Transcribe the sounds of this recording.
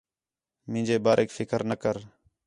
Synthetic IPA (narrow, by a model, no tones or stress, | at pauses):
mɪ̃ːd͡ʒeːbaːɾʔeːkfʰɪkəɾnəkəɾ